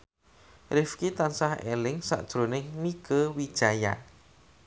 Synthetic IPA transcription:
rɪfkit̪ansahɛ̰lɪŋsa̰ʔd̥ʒ̥ɾonɪŋmiɡ̥əwid̥ʒ̥aja̰n

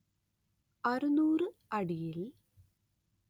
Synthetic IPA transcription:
ɐrunuːrɨɐɽijil

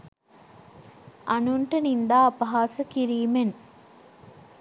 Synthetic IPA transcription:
ɐnuɳʈənind̪aːɐpɐɦaːsəkiɾiːmen

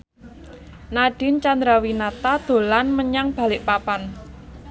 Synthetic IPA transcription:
naɖ̥ɪ̤nt͡ʃand̪ɾawinat̪ad̪̥o̤lanməɲaŋb̥a̤lɪʔpapan

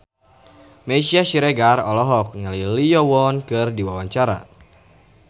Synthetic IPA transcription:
mɛsiasiɾɛɡarɔlɔɦɔk̚ɲalilijɔwɔnkɨrdiwawaɲt͡ʃaɾa̰

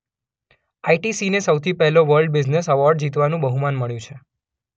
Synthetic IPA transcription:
aiʈisinesəwt̪ʰipɛɦɛloʋəɾlɖbid͡ʒnesəʋɔɾɖd͡ʒit̪ʋanũbəɦumanməɭjũt͡ʃʰe

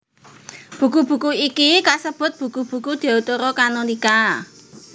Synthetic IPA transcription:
b̥ṳkub̥ṳkuikikasəb̥ʊ̤t̪̚b̥ṳkub̥ṳkud̪̥i̤ut̪oɾɔkanonika

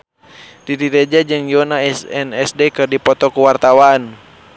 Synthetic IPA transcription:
diɾiɾɛd͡ʒad͡ʒɨŋjiɔnaɛsɛnɛsdɛkɨrdipɔt̪ɔkuwart̪awan

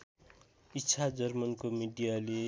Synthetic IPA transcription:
itːt͡sʰad͡zʌrmʌnkomiɖijale

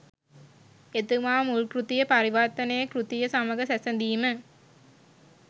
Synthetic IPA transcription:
et̪umaːmulkɾut̪ijɐpɐɾiʋaɾt̪ɐnɐjɐkɾut̪ijɐsamɐɡɐsæsɐnd̪iːmə

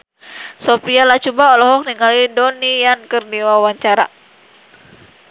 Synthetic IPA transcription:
sopialat͡ʃubaɔlɔɦɔk̚niŋalidɔnijankərdiwawaɲt͡ʃaɾa̰

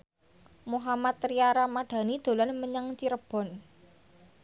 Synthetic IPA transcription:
muɦamat̪ɾiaɾamaɖ̥a̤nid̪̥o̤lanməɲaŋt͡ʃiɾəb̥ɔ̤n

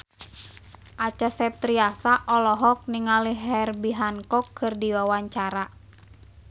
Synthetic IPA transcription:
ʔat͡ʃasɛp̚t̪ɾiasaʔɔlɔɦɔk̚niŋaliɦɛrbiɦankɔkʰːɨrdiwawaɲt͡ʃaɾa

